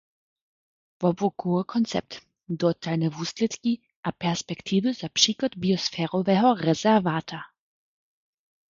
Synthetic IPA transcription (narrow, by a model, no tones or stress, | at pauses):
vɔbukuɔkʰɔnt͡sɛ̰p̚t̪ | d̪ɔt̪alnɛvuːslɛt̪ki | ʔapɛɾspɛkt̪ʰiːvuzapʂiːklɔd̪biɔsfɛːɾɔvɛɦɔrɛzɛɾvaːt̪a